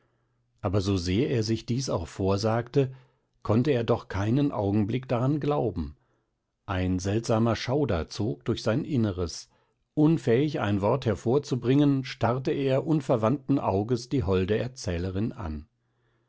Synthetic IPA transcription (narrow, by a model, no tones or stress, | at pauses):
ʔaːbɐzozeːɐʔeːɐzɪçd̥iːsaʊxfoːɐzaːktə | kʰɔntəeːɐdɔχkʰaɪnənʔa̰ʊɡŋ̩blɪkd̥aʁanɡlaʊbm̩ | ʔaɪnzɛltz̥aːmɐʃaʊdɐ̰t͡soːk̚d̥ʊɐçz̥aɪnʔɪnəʁəs | ʔʊnfɛːɪça̰ɪnvɔɐthɛɐfoːɐt͡subʁɪŋənʃtaʁtəʔeːɐʔʊnfɛɐvantn̩ʔaʊɡəsd̥iːɦɔldəɛɐt͡sɛːləʁɪnʔa̰n